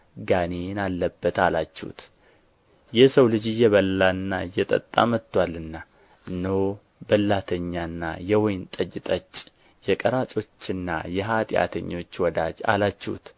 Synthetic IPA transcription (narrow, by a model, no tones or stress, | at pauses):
ɡanenalːəbːət̪alat͡ʃːɛṵt̪ | jɛsəwlɨd͡ʒjɛβəlːaɨnːajɛt̪ʼə̰t̪ʼːa̰mət̪ːwalɨnːa | ɨnːəw | bəlːat̪ʰəɲːanːa̰jɛwɔjnt̪ʼəd͡ʒɪt̪ʼət͡ʃʼː | jɛkʼəɾat͡ʃʼo̞t͡ʃːɨnːa̰jɛɦat̪ʼɪja̰t̪ʰə̰ɲːo̞t͡ʃːwɔd̪ad͡ʒa̰lat͡ʃːɛṵt̪